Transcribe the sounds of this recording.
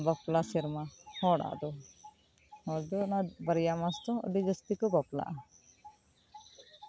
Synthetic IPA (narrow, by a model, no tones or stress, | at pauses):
bɔplasiɾmahɔɽa̰ʔd̪ɔ | hɔɾd̪ɔnabəɾjamast̪ɔ̃ə̰ɖid͡ʒɔst̪ikɔbɔpla̰ʔa